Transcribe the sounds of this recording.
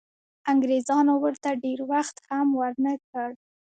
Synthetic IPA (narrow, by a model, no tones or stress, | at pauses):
aŋɡɾezɑnowəɾt̪aɖeɾwaxt̪hamwəɾnəkəɽ